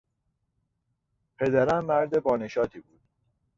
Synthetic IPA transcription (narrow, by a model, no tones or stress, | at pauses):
pʰe̞d̪æɾænːæɾd̪e̞bɒːneʃɒːt̪ʰiːbuːd̪̥